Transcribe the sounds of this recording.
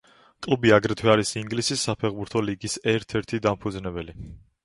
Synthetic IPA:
kʼlˠubiaɡɾɛt̪ʰwɛaɾisiŋɡlisisːapʰɛʁbuɾt̪ʰɔliɡisɛɾt̪ʰɛɾt̪ʰid̪ampʰud̪znɛbɛli

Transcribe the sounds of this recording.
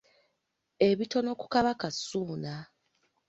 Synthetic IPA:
e̞βito̞no̞ku̥kaβakasuːna

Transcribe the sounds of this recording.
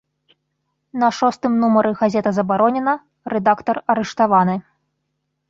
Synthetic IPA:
nɐʂɔst̪ɨmnumɐɾɨɣazʲɛt̪ɐzɐbaɾɔnʲɛnɐ | ɾɛd̪akt̪ɐrɐɾɛʂt̪avanɨ

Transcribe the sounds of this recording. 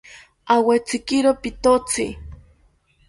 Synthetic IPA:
awet͡sikiɾopit̪ot͡si

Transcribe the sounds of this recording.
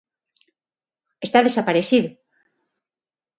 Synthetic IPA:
est̪aðesapaɾeθiðʊ

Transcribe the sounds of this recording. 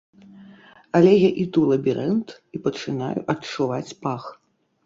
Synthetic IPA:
ɐlʲɛjaʔit̪ulˠɐbʲiɾɛnt̪ | ipɐt͡ʂɨna̰jṵʔɐtt͡ʂuvat͡sʲpax

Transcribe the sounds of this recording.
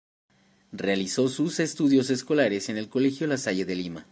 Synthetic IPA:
realiso̞suse̞st̪uðjo̞se̞sko̞laɾese̞ne̞lko̞lexjo̞lasaʝeðelima

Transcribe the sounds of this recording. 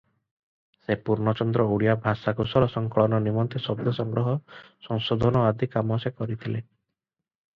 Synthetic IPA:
sepuɾnɔt͡ʃɔnd̪ɾɔuɽijabʱasakusɔɾɔsɔŋkɔɭɔnɔnimɔnt̪esɔb̚d̪ʱɔsɔŋɡɾɔɦɔ | sɔŋsod̪ʱɔnɔad̪ʱikamasekɔɾit̪ʰile

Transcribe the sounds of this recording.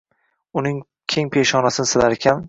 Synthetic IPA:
ʊnɪŋ | kʲʰe̞ŋpʰe̞ʃχɒnasɪnɪsɪlaɾekʲʰan

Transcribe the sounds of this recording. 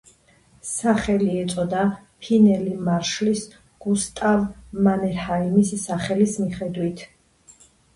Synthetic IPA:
saχɛliɛt̪sʼɔd̪a | pʰinɛlimaɾʃlis | ɡ̥ust̪ʼavmanɛɾhaimisːaχɛlismiχɛd̪wit̪ʰ

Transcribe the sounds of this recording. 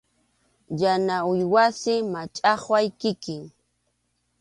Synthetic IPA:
janaʊjwasɪmat͡ʃʼɑχwajkɪkɪŋ

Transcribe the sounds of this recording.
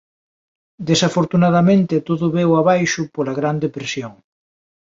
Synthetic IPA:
d̪esafoɾt̪unaðamẽnt̪et̪oðʊβewaβajʃʊpolaɣɾand̪epɾesjoŋ

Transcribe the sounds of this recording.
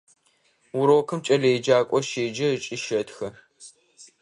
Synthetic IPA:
wʊɾoːkʰɨmt͡ʃʼɐlɐjd͡ʒaːkʷʼɔʃeːd͡ʒɐt͡ʃʼɪʃɐtxɐ

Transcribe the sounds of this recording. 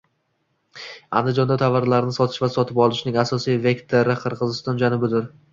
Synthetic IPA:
a̰nd̪ɪd͡ʒɒnd̪at̪ʰavːaɾlaɾɪnɪsɒt̪ʰɪ̥ʃvasɒt̪ʰɪpɒlˠɪʃnɪŋasɒsijve̞kt̪ʰeɾɪqʰɨɾʁɨzɪst̪ɒnd͡ʒanʊbɪd̪ɪɾ

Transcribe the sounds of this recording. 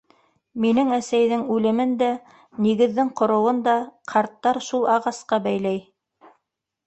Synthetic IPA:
minɘŋæsæjðɘŋʉlɘ̆mɘnd̪æ | niɡɘ̆ðːɘŋqŏɾɤ̆wɤnd̪ɑqʰɑɾt̪ːɑɾʃulˠɑʁɑsqɑbæjl̪æj

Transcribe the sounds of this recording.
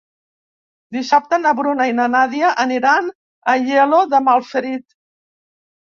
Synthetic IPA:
d̪isap̚t̪ənəβɾunainanaðiaʔəniɾan | əʎeloðəmalˠfəɾit̪

